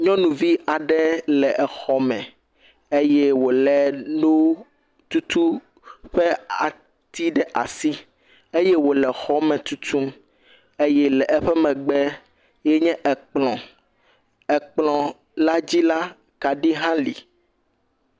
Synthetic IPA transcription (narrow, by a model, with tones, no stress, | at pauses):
ɲɔ̃˦nũ˨vi˦a˨ɖɛ˦lɛ˨ʔɛ˨xɔ˨mɛ̰̃˨ | e˦jɛ˦wo˨lɛ˨no˦w | t̪u˦t̪u˦ | ɸɛ˦a˨ | t̪i˦ɖɛ˦ʔa̰˨si˦ | e˦jɛ˦wo˨lɛ˨xɔ˦mɛ̃˨t̪u˦t̪u˦m | e˦jɛ˦lɛ˨ʔɛ˦ɸɛ˦mɛ̃˨ɡ͡bɛ˦ | jɛ˦ɲɛ̃˦ʔɛ˨k͡plɔ̃˨ | ɛ˨k͡plɔ̃˨ | la˦d͡ʑi˦la˦ | ka˨ɖi˦ɦã˦lḭ˨